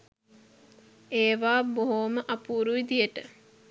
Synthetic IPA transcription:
eːʋaːboɦoməʔɐpuːɾuid̪ijəʈə

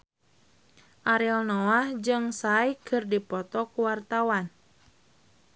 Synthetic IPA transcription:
ʔaɾilnɔahd͡ʒɨŋsajkʰɨrdipɔt̪ɔkuwart̪awan

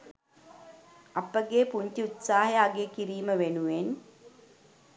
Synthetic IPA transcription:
apəɡeːpuɲtiut̪saːɦjaːɡeːkiɾiːməʋenuʋen

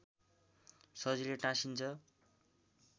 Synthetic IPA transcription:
sʌd͡zileʈãsint͡sʰʌ

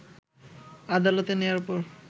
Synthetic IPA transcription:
ad̪alot̪enewaɾpoɾ

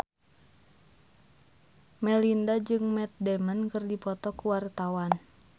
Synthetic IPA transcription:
mɛlindad͡ʒɨŋmɛt̪̚dɛmənkɨrdipɔt̪ɔkuwart̪awan

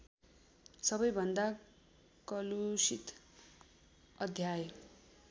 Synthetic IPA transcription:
sʌbʌjbʱʌnd̪a | kʌlusit̪ | ʌd̪ʱjaj

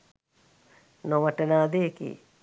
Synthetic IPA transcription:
noʋəʈənaːd̪eekḭː

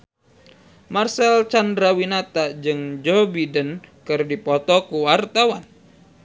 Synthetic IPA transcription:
marsɛlt͡ʃandɾawinat̪ad͡ʒɨŋd͡ʒɔbidənkɨrdipɔt̪ɔkuwart̪awan

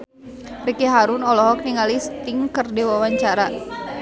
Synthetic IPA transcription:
rikeɦaɾʊnɔlɔɦɔk̚niŋalist̪ɪŋkərdewawaɲt͡ʃaɾa

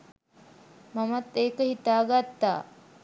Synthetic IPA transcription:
mamat̪ːeːkəhit̪aːɡat̪ːa̰ː

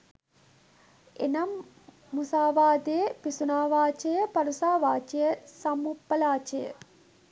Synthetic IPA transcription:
ḛnɐmː | usaːʋaːd̪ejəpisunaːʋaːt͡ʃejəpɐɾusaːʋaːt͡ʃejəsɐmupːɐlaːt͡ʃejə̰

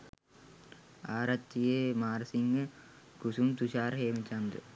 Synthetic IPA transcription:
aːɾɐt̪ːijeːmaːɾsiŋɡɐ | kusumt̪uɕaːɾɦeːmit͡ʃːand̪ɯ̰

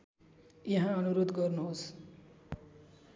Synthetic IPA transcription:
jiɦãʌnuɾod̪ɡʌrnuɦos

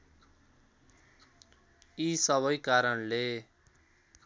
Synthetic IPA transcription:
isʌβʌjkaɾʌnle

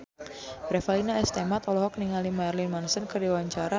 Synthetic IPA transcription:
ɾɛfalinaɛst̪ɛmat̪ɔlɔɦɔk̚niŋalimajrlinmansənkərdiwaɲt͡ʃaɾa

